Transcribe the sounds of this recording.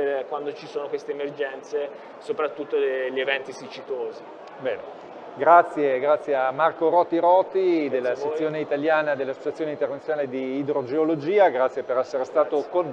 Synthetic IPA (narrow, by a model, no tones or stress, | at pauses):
kwand̪ot͡ʃisoːnokwest̪eːmerd͡ʒɛnt̪se | sopɾat̪ːut̪ːoʎːievɛnt̪isit͡ʃit̪oːzi | bɛ̰ːnḛ | ɡɾat̪sːjeɡɾat̪sːjeamːarkoɾɔt̪ːiɾɔːt̪ːid̪elːasesːjoːneit̪aljaːnad̪elːasːo̥t͡ʃat̪sjoːneint̪ernat̪ːjonaːled̪iːd̪ɾod͡ʒeolod͡ʒiːaɡɾat̪sːjepeɾɛsːeɾest̪aːt̪okonː